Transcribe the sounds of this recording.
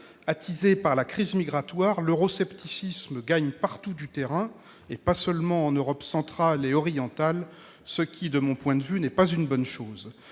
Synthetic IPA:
at̪ʰizepaʁlakχizmiɡʁat̪waʁløʁɔsɛpt̪isisməɡaɲpaʁt̪ud̪yt̪eʁɛ̃ | epasœlmɑ̃ɑ̃nøʁɔpsɑ̃t̪χaleɔʁijɑ̃t̪al | səkʲid̪əmɔ̃pwɛ̃d̪əvynɛpazynbɔnʃoːz

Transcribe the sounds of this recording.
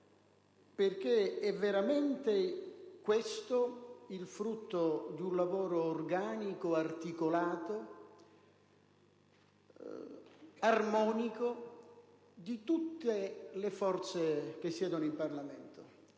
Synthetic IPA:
perk̟eɛvːeɾamɛnt̪ekwest̪oilfɾut̪ːod̪unlavoːɾoːrɡaːnikoart̪ikolaːt̪o | armɔːniko | d̪it̪ut̪ːelefɔrt̪sek̟esːjɛːd̪onoimparlament̪o

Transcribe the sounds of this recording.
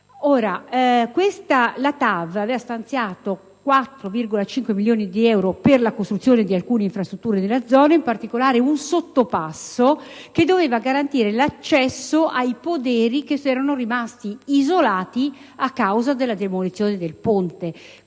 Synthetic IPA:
oːɾakwest̪alat̪avavɛːvast̪ant̪sjaːt̪o | kwat̪ːɾovirɡolat͡ʃiŋkwemiljoːnid̪iɛwɾoperlakost̪ɾut̪ːjoːned̪ialkuːneiɱfɾast̪ɾut̪ːuːɾenelːad̪zɔːnaimpart̪ikolaːɾeunsot̪ːopasːoked̪ːoveːvaɡaɾant̪iːɾelat͡ʃːɛsːoʔajpod̪ɛːɾikesɛːɾanorimast̪iizolaːt̪iakːawzad̪elːad̪emolit̪sːjoːned̪elpont̪e

